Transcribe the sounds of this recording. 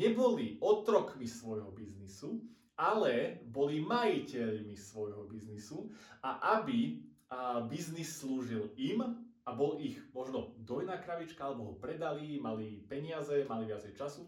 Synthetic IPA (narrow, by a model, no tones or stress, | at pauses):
ɲɛbɔliʔɔt̪ɾɔkmisʋɔjɦɔbiznisu | alɛbɔlimajicɛʎmisʋɔjɦɔbiznisuaʔabi | biznisːluːʒilimabɔliɣmɔʒnɔd̪ɔjnaːkɾaʋit͡ʃkaalɛbɔɦɔpɾɛd̪alimalipɛɲɪazɛmaliʋɪat͡sɛjt͡ʃasu